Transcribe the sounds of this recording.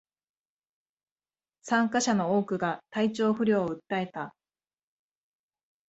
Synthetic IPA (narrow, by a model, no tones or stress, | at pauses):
sãŋkaɕano̞oːkɯ̟ɡat̪ait͡ɕo̞ːɸɯ̟ɾʲo̞ːɯ̟t̪ːae̞t̪a